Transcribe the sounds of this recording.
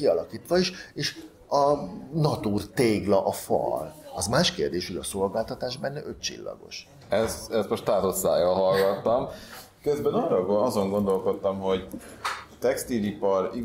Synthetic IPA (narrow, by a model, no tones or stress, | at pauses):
iɒlɒkiːt̪ʋɒiʃeːʃ | ɒnɒt̪uːrt̪eːɡlɒʔɒfɒ̰lɒzmaːʃkeːrd̪eːʃho̞ɟɒso̞lɡaːlt̪ɒt̪aːʃbɛnːɛʔøtt͡ʃḭlːɒ̰ɡo̞̰ʃ | ɛsɛst̪mo̞ʃt̪aːt̪ot̪sa̰ːjɒlɦɒlɡɒt̪ːɒm | køzbɛnɒrɒɡɒzo̞ŋɡo̞nd̪o̞lko̞t̪ːɒmɦo̞ɟ | t̪ɛkst̪ilipɒri